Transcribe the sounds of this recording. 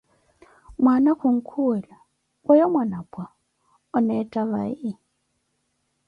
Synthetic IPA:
mwanakʊŋ̩kʰuɛla | ajɔmwanabʼwa | ɔnɛtʼaβa̰ɪ

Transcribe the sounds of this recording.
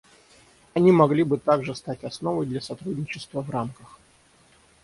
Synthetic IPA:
ɐnʲimɐɡlʲibɨt̪aɡʐɨst̪atʲɐsnovəjd̪lʲɐsɐt̪ɾudʲnʲɪt͡ɕɪst̪vəvramkəx

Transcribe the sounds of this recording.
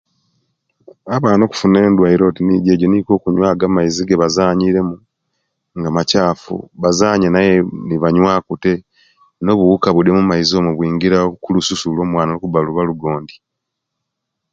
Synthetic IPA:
aβaːno̞ːku̥fune̞ːndwaiɾo̞tiniɟe̞ːɟo̞niko̞ːkuɲwaːɡamaiziɡeβazaːɲiɾe̞mu | ŋɡamacaːfṵβazaːɲanajeniβaɲwaːkute̞ | no̞ːβuwukaβudemumaizio̞muβwiːŋɡiɾakulususulo̞ːmwaːnalokubaluβaluɡo̞ːndi

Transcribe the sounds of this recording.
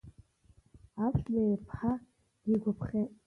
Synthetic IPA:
asʰlejpʰħa | d̥iɡʷapʰχʲetʼ

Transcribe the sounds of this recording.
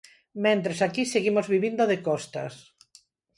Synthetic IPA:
mẽnt̪ɾesakiseɣimozβiβind̪oðekɔst̪a̰s

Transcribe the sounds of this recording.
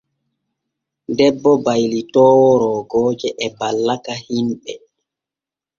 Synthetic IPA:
dɛbːɔbajlitɔːwɔɾɔːɡɔːd͡ʒɛʔɛbalːakahimɓɛ

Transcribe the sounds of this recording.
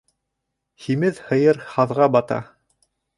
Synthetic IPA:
himɘðhɤ̆jɤɾhɑðʁɑbɑt̪ɑ̰

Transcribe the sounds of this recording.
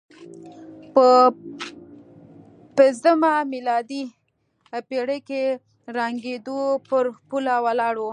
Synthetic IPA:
pə | pɪnzd̪əmamilɑd̪i | peɽəke | ɾaŋɡed̪opəɾpulawalɑɽo

